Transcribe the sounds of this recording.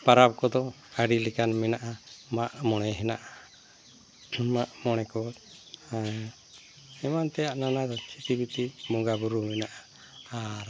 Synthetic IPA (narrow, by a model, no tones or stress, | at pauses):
paɾap̚kɔd̪ɔ | kaɖilɛkanmɛnaʔamaʔmɔɽɛɦɛnaʔa | maʔmɔɽ̃ɛkɔt̪ | ɛmant̪ɛjaʔnanad̪ɔt͡ʃʰit̪ibit̪imɔɡabuɾumɛnaʔa | aɾ